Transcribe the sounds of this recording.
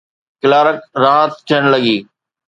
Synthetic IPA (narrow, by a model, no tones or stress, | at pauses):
kɪlaːɾək̚ɾãːt̪t̪ʰɪəɽ̃ləɡiː